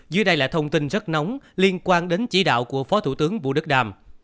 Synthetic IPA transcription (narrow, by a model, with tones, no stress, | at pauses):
zɨ̰˧˦ɗə˧jla̰ː˧˨˩t̪ʰə˧wŋ͡mt̪i˧nzə˦˥t̚nɔ˨˦wŋ͡mli˧ənkwaː˧nɗe˨˦nt͡ɕi˧˩ɗa̰ː˧˨wku˧˩əfɔ˨˦t̪ʰṵ˧˩t̪ɨ˨˦əŋvṵ˧˨ɗɨ˦˥k̚ɗaː˨˩m